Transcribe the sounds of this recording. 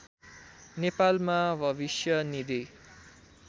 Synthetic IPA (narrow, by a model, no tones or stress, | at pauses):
nepalmabʱʌbisjʌnid̪i